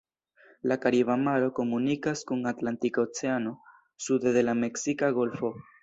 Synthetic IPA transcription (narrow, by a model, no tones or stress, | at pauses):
lakaɾiβamaɾo̞ko̞munikaskunatlantikaot͡se̞ano̞ | sud̪ede̞lame̞ksikaɡo̞lfo̞